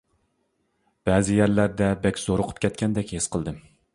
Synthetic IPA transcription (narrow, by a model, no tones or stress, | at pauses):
b̥ɛzɪjæɾlæɾd̪ɛbɛkʲz̥oɾʊqʰʊ̥p̚kʲɛt̪̚kʲʰɛnd̪ɛkʲhesqəlˠd̪ɨm